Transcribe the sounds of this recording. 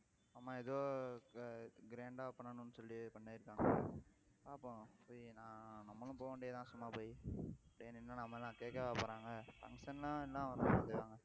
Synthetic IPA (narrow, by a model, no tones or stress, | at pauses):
aːmaːɛðoː | ɡɪɾeːɳɖaːpɐɳːɐnʊ̃nːɯsɔlːipɐɳːaːɪɾɯkːaːŋɡɐ | aːpːõpoːnãːnɐmːɐlʊ̃poːʋɐɳɖejːt̪ãːsʊmːaːpoːjɐpːɐɽɪnɪnːanɐmːɐlːãːkeːkːɐʋpoːɾãːŋɡɐfɐ̰ŋɡʂɐnlãɛlːãːʋɐɾt̪ːɯkːaːŋɡɐ